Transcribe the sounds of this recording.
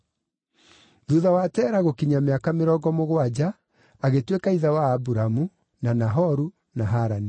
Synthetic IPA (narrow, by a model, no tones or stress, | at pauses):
ðuðawatɛːɾaɣokiɲameakameɾɔɡɔmoɣwad͡ʑaː | ɣetwekaiðawaːbuɾamu | nanaɦɔɾu | naɦaɾani